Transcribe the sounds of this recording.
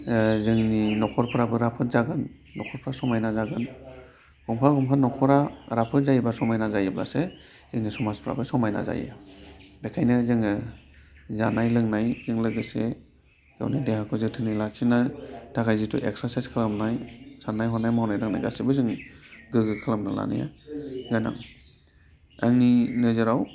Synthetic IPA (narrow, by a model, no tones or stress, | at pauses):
zɯŋninɔkʰɔɾpʰɾabɯɾapʰɯt̚zaɡanː | ɔkʰɔɾpʰɾasɔmajnazaɡan | ɡ̥ɔmpʰaɡɔmkʰanɔkʰɔɾaɾapʰɯt̚zajbasɔmajnazajɯbla̰se | z̥ɯŋnisɔmaspʰɾa̰bɯsɔmajna̰za̰jɯ̰bekʰajnɯzɯŋɯ | zanajlɯŋnajzɯŋlɯɡɯse | ɡa̰wnidehakʰɔzɯtʰɯnɯlak̚sinatʰakʰajzitʰṵʔek̚sasajskʰɯlamnajsanːajɦɔnːajmawnajlɯŋna̰jɡa̰sibɯzɯŋɡɯɡɯkʰɯlamnala̰nɯ̰ja̰ɡana̰ŋ | aŋninɯzɯɾaw